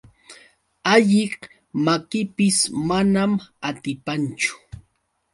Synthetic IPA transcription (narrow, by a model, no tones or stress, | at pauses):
aʎɪq | makɪpɪsmanamat̪ɪpant͡ʃʊ̥